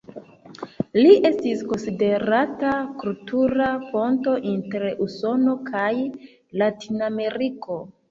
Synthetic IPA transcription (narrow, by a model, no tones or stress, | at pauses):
liʔe̞stisko̞nside̞ɾatakultuɾafo̞nto̞ʔinteɾeʔuso̞no̞kʰaj | latiname̞ɾiko̞